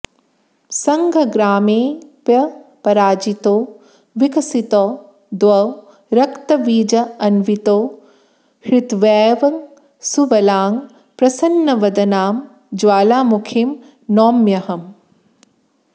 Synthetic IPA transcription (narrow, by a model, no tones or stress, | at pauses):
sɐŋɡʱɐɡɾaːmeːpjɐpɐɾaːd͡ʒit̪oː | ʋikɐsit̪oː | d̪ʋɐw | ɾɐkt̪ɐʋiːd͡ʒɐɐnʋit̪oː | hɾɪt̪ʋɛːʋɐŋ | suʋɐlaːŋ | pɾɐsɐnːɐʋɐd̪ɐnaːm | d͡ʒwaːlaːmukʰim | nɔːmjɐɦɐm